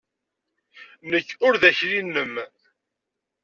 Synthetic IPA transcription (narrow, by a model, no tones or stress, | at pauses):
nəçːʊɾðæçɾinːəm